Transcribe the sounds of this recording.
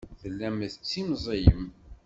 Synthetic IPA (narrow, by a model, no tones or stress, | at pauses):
θəlːæmθət͡sːimzˤejəm